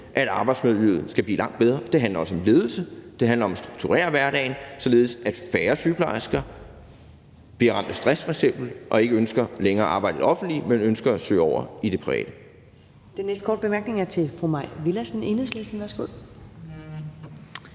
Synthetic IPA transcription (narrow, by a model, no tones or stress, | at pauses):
ʔæɾ̥ɑ̈ːb̥ɑɪdsmeðˠjyð̩ˠsɡ̥æb̥lḭːlɑ̈ŋ̰d̥̚beð̞ˠʁɐd̥e̝ɦænlɐɒ̽səɒ̽mle̝ːð̞ˠl̩səd̥e̝ɦænlɐɒ̽msd̥ʁu̥ɡ̥̚t͡sʰuʁɛ̰ːɐʋæɐd̥ɛ̰ɪnsɒ̽le̝ːð̞ˠsæd̥fæːɐsyb̥ʰlɑsɡ̥æ | b̥iɐʁɑ̈m̰d̥əsd̥ʁasfʁɑseb̥l̩ʔɒ̽e̝ɡ̥əønsɡ̥ɐleŋɐːʔɑ̈ːbɑ̈ɪ̰d̥ð̩ˠɒ̽fn̩d̥limenønsɡ̥ɐæsø̰ːɒʊ̰ɐid̥e̝pʰʁiʋɛ̰ːd̥ə | d̥enːesd̥̚kʰɒ̰ːd̥̚b̥emæɐɡ̥ne̝ŋæɐt͡sʰe̝fʁumɑɪ̰ʋilæsne̝nəðˠslesd̥n̩d̥æsɡ̥oð̰ˠ